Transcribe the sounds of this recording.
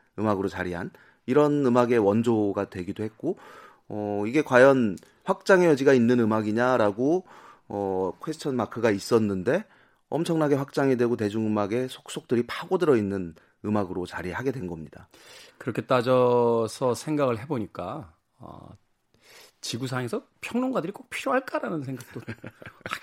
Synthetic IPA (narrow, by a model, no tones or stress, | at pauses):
ɯmaɡɯɾot͡ɕaɾiɦan | iɾʌnɯmaɡe̞wʌnd͡ʑoɡadwe̞ɡidohe̞k̚k͈o | ʌiɡe̞kwajʌn | ɸwak̚t͡ɕ͈aŋejʌd͡ʑiɡainːɯnɯmaɡiɲaɾaɡoʌkʰwest͡ɕʰʌnmakʰɯɡais͈ʌnːɯnde̞ | ʌmt͡ɕʰʌŋnaɡe̞ɸwak̚t͡ɕ͈aŋedwe̞ɡote̞d͡ʑuŋɯmaɡe̞sʰok̚s͈ok̚t͈ɯɾipʰaɡodɯɾʌinːɯn | ɯmaɡɯɾot͡ɕaɾihaɡe̞dwe̞nɡʌmɲidakɯɾʌkʰe̞t͈ad͡ʑʌsʰʌsʰe̞ŋɡaɡɯɭɦe̞boɲik͈a | a̰ | t͡ɕiɡus̬ʰaŋesʰʌ | pʰjʌŋnoŋɡwadɯɾik͈ok̚pʰiɾjoɦaɭk͈aɾanɯnsʰeŋɡak̚t͈o